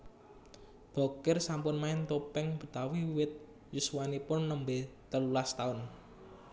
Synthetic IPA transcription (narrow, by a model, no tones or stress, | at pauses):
b̥ɔ̤kɪrsampʊnmaɪnt̪opɛŋb̥ə̤t̪awiwɪt̪̚ | juswanipʊnːəmbet̪əlulast̪aʊn